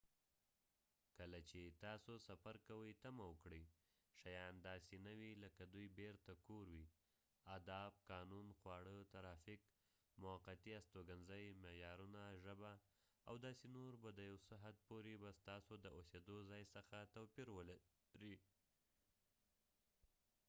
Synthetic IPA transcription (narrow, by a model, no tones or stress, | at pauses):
kəlat͡ʃet̪ɑsosafaɾkawəjt̪amawəkɽəj | ʃajɑnd̪ɑsenawiləkad̪ujbeɾt̪akoɾwi | ad̪ɑb̚kɑnunxwɑɽət̪aɾɑfɪk | mʊaqat̪iast̪oɡanzəjmejɑɾunaʒəba | awd̪ɑsenoɾbad̪əjawsəɦad̪̚poɾebast̪ɑsod̪əosed̪ozɑjsəxat̪awpiɾwəla | ɾi